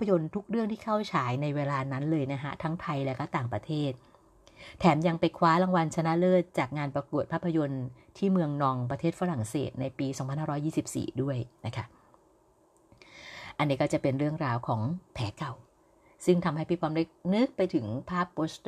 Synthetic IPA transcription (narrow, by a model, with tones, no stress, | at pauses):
pʰːa˧jo˧nt̪ʰu˦˥k̚ɾɯ˥˩əŋt̪ʰiː˥˩kʰa˥˩wt͡ɕʰaː˩˦jna˧jweː˧laː˧na˦˥nlɤː˧jna˦˥kʰa̰˦˥t̪ʰa˦˥ŋt̪ʰa˧jlɛ˦˥kɔː˥˩t̪aː˨˩ŋpɾa˧t̪ʰeː˥˩t̪̚ʰː | ɛː˩˦mja˧ŋpa˧jkʰwaː˦˥la˧ŋwa˧nt͡ɕʰa˧na˦˥lɤː˥˩t̪̚t͡ɕaː˨˩k̚ŋaː˧npɾa˧ku˨˩ət̪̚pʰaː˥˩pʰːa˧jo˧n | t̪ʰiː˥˩mɯ˧əŋnɔː˧ŋp̬ɾa˧eː˥˩t̪̚fa˦˥ɾa˨˩ŋsḛː˨˩t̪̚na˧jpiː˧sɔː˩˦pʰa˧nhaː˥˩ɾɔː˦˥jiː˥˩si˨˩p̚sḭː˨˩du˥˩əjna˦˥kʰa˦˥ʔ | ʔa˧nːiː˦˥kɔː˥˩t͡ɕa˨˩pe˧nɾɯ˥˩əŋɾaː˧wkʰɔː˩˦ŋpʰɛː˩˦ka˨˩w | sɯ˥˩ŋt̪ʰa˧mha˥˩jpi˥pʰɔː˧˥mɾe˦˥˩k̚nɯ˦˥k̚pa˧jt̪ʰɯ˩˦ŋpʰaː˥˩p̚ːoː˦˥st̪